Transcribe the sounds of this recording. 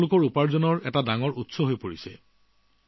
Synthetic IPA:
lʊkɔɹupaɹzɔnɔɹɛtadaŋɔɹutsɔɦojpoɹisɛ̰

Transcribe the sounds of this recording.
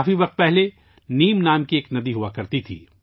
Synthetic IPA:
fiʋɐq̚t̪̚pɛɦle | niːmnaːmkieːknɐd̪iɦuakɐɾt̪it̪ʰḭː

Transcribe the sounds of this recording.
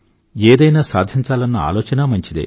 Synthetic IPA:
eːd̪ɐjnaːsa̰ːd̪ʱiɲt͡ʃaːlɐnːɐa̰ːloːt͡ʃɐnɐmɐɲt͡ʃid̪ḛ

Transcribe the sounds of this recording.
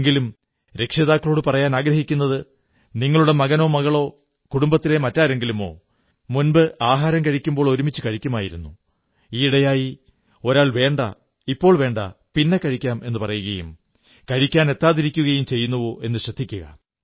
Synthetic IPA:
eŋɡilum | ɾe̞kʂɐðaːkːɐɭo̞ːɽɨpɐrɐjaːnaːɡɾɐɦikʲːunːɐðɨ | niŋːɐɭuɽe̞mɐɣɐno̞ːmɐɣɐɭo̞ː | kuɽumbɐt̪ːilemɐtːaːɾe̞ŋɡilumo̞ː | munbɨʔaːɦaːɾɐmkɐɻikʲːumbo̞ːɭo̞ɾumit͡ɕːɨkɐɻikʲːɐmaːjiɾunːu | iːiɽɐjaːji | o̞ɾaːɭʋe̞ːɳɖɐ̰ | ipːo̞ːɭʋe̞ːɳɖɐ̰pinːe̞kɐɻikʲːaːme̞nːɨpɐrɐjuɣɐjṵm | kɐɻikʲːaːne̞t̪ːaːðiɾikʲːuɣɐjumt͡ɕe̞jːunːuʋoːʔe̞nːɨɕrɐd̪ʱːikʲːuɣɐ̰

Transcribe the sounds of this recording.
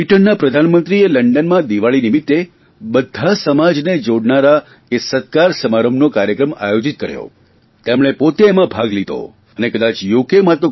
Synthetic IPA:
iʈənːapɾəd̪ʱanmənt̪ɾieləɳɖənmãd̪iʋaɭinimit̪ːe | bəd̪ʱːasəmad͡ʒned͡ʒoɽnaɾa | kesət̪̚kaɾsəmaɾəmnokaɾjəkɾəma̰jod͡ʒit̪̚kəɾjo̰ | t̪emɭ̃epot̪eːmãbʱaɡlid̪ʱo̰ | ənekəd̪at͡ʃjokemat̪o

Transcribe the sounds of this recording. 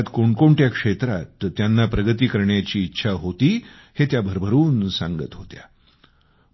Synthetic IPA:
t̪koɳkoɳʈjakʂet̪ɾa̰t̪ːjanːapɾəɡət̪̬iːkəɾɳjat͡ɕiːt̪ːɕʰaɦot̪iː | het̪jabʱəɾbʱəɾuːnsã̰ŋɡə̰t̪ɦot̪ja̰

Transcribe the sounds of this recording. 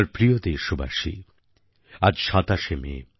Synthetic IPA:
ɾpɾijod̪eʃuba̰ʃḭ | ad͡ʑʃat̪aʃemḛ

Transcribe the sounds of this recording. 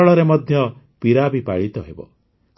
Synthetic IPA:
ɔɭɔɾemɔd̪ʱjɔ | piɾabipa̰ɭit̪ɔɦebɔ̰

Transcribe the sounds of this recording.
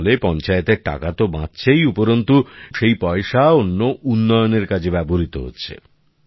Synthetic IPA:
lepɔnt͡ɕaet̪eɾʈa̰kat̪obãtːɕʰejupoɾont̪uʃejpɔeʃaonːoʔunːɔjoneɾkad͡ʑʰʱebɛboɾit̪o̰ɦo̰tːɕʰḛ

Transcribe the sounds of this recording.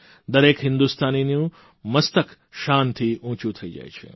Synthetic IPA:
d̪ɐɾeːkɦɪ̃nd̪ust̪aːninijũ | mɐst̪ək | ʃaːnt̪ʰiʔũːt͡ɕũt̪ʰɐid͡ʒa̰ːet͡ʃʰḛ

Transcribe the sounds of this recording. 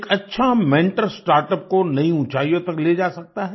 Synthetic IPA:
kɐtːʃʰamɛ̃ːɳʈəɾsʈaːɾʈəp̚konɐɦĩũt͡ʃaːijõt̪ɐkleːd͡ʒaːsɐk̚t̪aɦɛː

